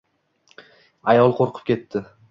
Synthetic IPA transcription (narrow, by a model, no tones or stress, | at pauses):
ajɒlˠqʰoɾqʰɨ̥p̚kʲe̞t̪ʰːɪ